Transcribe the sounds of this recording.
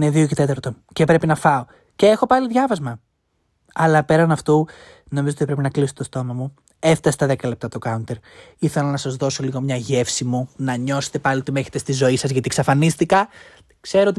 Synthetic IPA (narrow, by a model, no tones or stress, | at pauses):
neðio̞cet̪e̞t̪ɐɾt̪o̞ | ce̞pɾe̞pinɐfɐo̞ | cee̞xo̞pɐliðʝɐvɐzmɐ | ɐlɐpe̞ɾɐnɐft̪u | no̞mizoot̪ipɾe̞pinɐklisot̪etost̪o̞mɐmu | e̞ft̪ɐset̪ɐðekɐle̞p̚t̪ɐt̪o̞kɐunt̪eɾiθe̞lɐnɐsɐzðo̞so̞liɣo̞mɲɐʝe̞fsimunɐɲo̞se̥t̪epɐliot̪ime̞çe̥t̪est̪izo̞isɐzʝɐt̪iksɐfɐnist̪ikɐ | kseɾot̪